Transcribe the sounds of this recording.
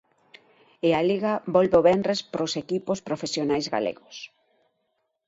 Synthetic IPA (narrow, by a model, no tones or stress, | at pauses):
ealiɣabɔlβeoβɛndrespɾosekipospɾofesjonajzɣa̰lḛɣos